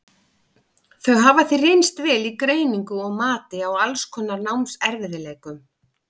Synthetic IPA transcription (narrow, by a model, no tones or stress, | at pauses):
θœɥɦaːvaθirejnst̪vɛːlikɾeːjniŋkʏɔɣmaːt̪ɪawalskʰɔːnːaɾnawmsɛɾvɪðɪleːjkʏm